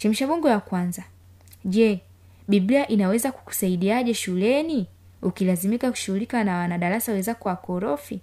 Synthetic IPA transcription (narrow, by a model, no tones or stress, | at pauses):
t͡ʃɛmiʃaɓuŋɡɔwakwanza | ʄɛ | ɓibliaʔinawɛzaku̥ku̥saiɗiaʄɛʃulɛni | ukilazimikaku̥ʃuɣulikanawanaɗaɾasawɛzakuwakɔɾɔfi